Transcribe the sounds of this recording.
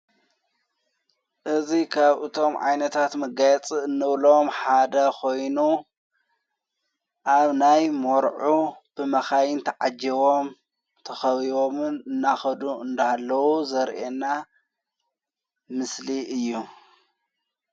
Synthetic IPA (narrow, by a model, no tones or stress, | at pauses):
ʔɨzikʰaβɨt̪ʰo̞mʕa̰jnɐt̪ʰat̪mɐɡajɛt͡sʼɨɨnːɨβlomħad̪ɐkʰo̞jnu | ʔaβnajmoɾʕub̥ɨmɐxajɨnt̪ʰɐʕad͡ʒiβo̞m | t̪ʰɐxɐβiβomɨnɨnːaxɐd̪uɨnd̪ɐhalːɐwuzɐɾʔena | mɨsliʔɨjːu